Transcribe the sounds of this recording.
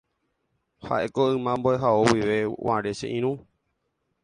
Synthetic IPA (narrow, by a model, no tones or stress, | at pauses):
ha̰ʔe̞koɨ̃mãmboeɦaowiʋe̞wa̰ɾe̞ʃḛʔĩɾ̃ũ